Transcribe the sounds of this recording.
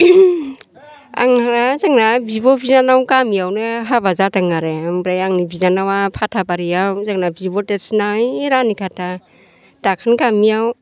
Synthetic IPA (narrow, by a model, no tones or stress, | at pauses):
a̰ŋaɾazaŋnabibɔbizanawkamijawnɯɦabazataŋaɾembɾajaŋnibizanawapʰatʰabaɾiawzaŋnabibɔtetsnajːɾanikʰatʰa | takʰankamijaw